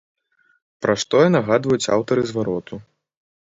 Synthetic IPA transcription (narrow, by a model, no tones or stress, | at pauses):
pɾaʂt̪ɔjɛnaɣad̪vɐjut͡sʲa̰wt̪ɐɾɨzvaɾɔt̪ʰu